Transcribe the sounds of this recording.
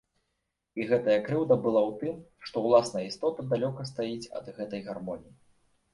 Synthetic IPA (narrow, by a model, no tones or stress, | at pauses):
iɣɛt̪ɐjɐkɾɨwd̪ɐbɨlˠawt̪ɨmʂt̪ɔwlˠasnɐjəist̪ɔt̪ɐd̪alʲɔkɐst̪ajit͡sʲɐ̰d̪ɣɛt̪ɐjɣarmɔnʲiji